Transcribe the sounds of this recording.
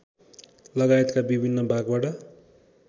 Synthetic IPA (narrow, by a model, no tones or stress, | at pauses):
lʌɡaet̪kabibʱinːʌbʱaɡbaʈʌ